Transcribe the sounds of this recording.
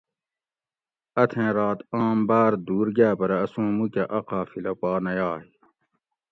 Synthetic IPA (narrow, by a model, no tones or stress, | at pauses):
ɐt̪ʰẽːɾaːt̪ãːmbaːɾd̪uːɾɡaːpɐɾɐɐsũːmukeʔɐqaːfilɐpɑːnɐjaːi